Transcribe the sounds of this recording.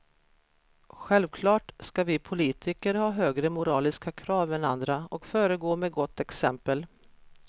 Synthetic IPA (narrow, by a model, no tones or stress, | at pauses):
ɧɛlvkʰlɑːʈskavɪpʰʊliːt̪ʰɪkəɾhɑːɦøːɡɾəmʊɾɑːlɪskakʰɾɑːvɛnand̪ɾaɔkfœːɾəɡoːmɛːɡɔt̪ːɛksɛmpəl